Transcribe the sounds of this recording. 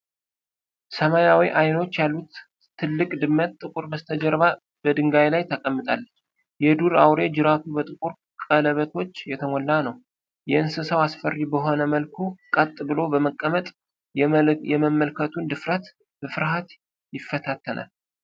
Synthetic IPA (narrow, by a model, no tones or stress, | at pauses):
səmajawiʔajno̞t͡ʃːjalːut̪ʰː | ɨlːɨkʼd̪ɨmːət̪ʼːɨkʼuɾbəst̪ʰəd͡ʒəɾβa | b̥əd̪ɨŋɡajlajt̪ʰəkʼəmːɨt̪ʼa̰lː | jɛd̪uɾa̰wɾe̞d͡ʒɨɾat̪ʰubət̪ʼɨkʼuɾ | kʼələβət̪ʰo̞t͡ʃːjɛt̪ʰəmɔlːanəw | jɛɨnsɨsəwasfərːibəɦo̞nəməlkʰukʼət̪ʼːbɨlo̞bəməkʼːəmət̪ʼ | jɛməmːəlkʰət̪ʰund̪ɨfɾət̪ | bəfɨɾɦat̪ | jɪfːət̪ʰat̪ʰːənʔa̰l